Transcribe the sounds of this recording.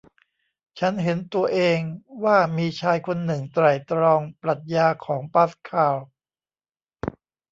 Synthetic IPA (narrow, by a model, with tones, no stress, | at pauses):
t͡ɕʰa˦˥nɦe˩˦nt̪u˧ɐʔeː˧ŋwaː˥˩miː˧t͡ɕʰaː˧jkʰo˧nːɯ˨˩ŋt̪ɾa˨˩jt̪ɾɔː˧ŋpɾa˨˩t̪̚jaː˧kʰɔː˩˦ŋpa˦˥skʰaː˨˩w